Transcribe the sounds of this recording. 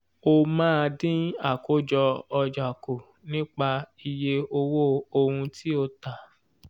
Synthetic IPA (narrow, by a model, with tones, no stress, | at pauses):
o˧mãː˦˧dĩ˦a˦˨ko˨˦d͡ʒɔ˧ɔ˧d͡ʒa˨ko˨ | nĩ˦k͡pa˧i˧je˧o˧wo˦o˧hũ˧ti˦o˧ta˨